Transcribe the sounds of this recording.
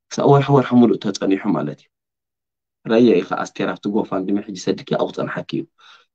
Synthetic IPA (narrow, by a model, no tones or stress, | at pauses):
sa̰ʔwɔɾħwɔɾħamuluʔt̪ʰɐt͡sʼɐniħuma̰lɐt̪iju | ɾajaixa̰ʔa̰st̪ʰeɾaβt̪ʰiɡofand̪ɨmaħɨd͡ʒːisɐd̪ɨkʰiʔa̰wt͡sʼɐ̰nħakʰːḭju